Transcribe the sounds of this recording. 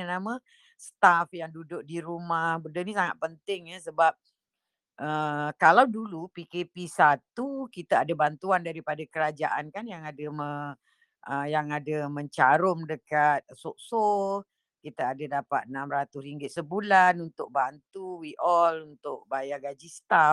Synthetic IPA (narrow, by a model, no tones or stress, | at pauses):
ənamə̃ | st̪afjaŋdudʊk̚diɾumahbəndənisaŋa̰t̪̚pənt̪ɪŋjəsəbap̚ | ʔəkalawdulupikepisat̪ukit̪aadabant̪uandaɾipadakəɾad͡ʒaʔankanjaŋadəmə | əjaŋadaməɲt͡ʃaɾʊmdəkat̪̚soʔso | kit̪aːdadapa̰t̪̚ənamɾat̪ʊsɾiŋɡɪt̪̚səbulanunt̪ʊk̚bant̪uwiʔɔlunt̪ʊʔ̚bajaɡad͡ʒist̪a